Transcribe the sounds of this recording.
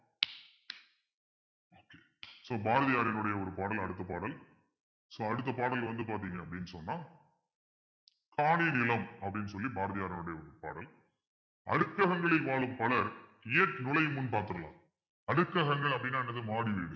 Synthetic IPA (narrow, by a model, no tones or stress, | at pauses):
oːke̥ː | soːbaːɾɐðɪjaːɾɪnɯɽɐjɐɔɾɯpaːɽɐlɐɽɯt̪ːɐpaːɽɐl | soːɐɽɯt̪ːɐpaːɽɐlʋɐnd̪ɯpaːɾt̪̬iːŋɡɐɐpːɐɽɪnːɯsɔnːãː | kʰaːɳinɪlɐmɐpːɐɽɪnːɯsɔlːibaːɾɐðɪjaːɾɪnɯɽɐjɐɔɾɯpa̰ːɽɐl | ɐ̰ɽɯkːɐɣɐŋɡɐɭɪlʋaːɭɯmpɐlɐɾɪjɐʈnɪlɐjɯmʊnpaːɾt̪ɯɾɐlã̰ː | ɐɽɯkːɐɣɐŋɡɐɭɐpːɐɽɪnːaːɛnːɐðɯmaːɽiʋiːɽɯ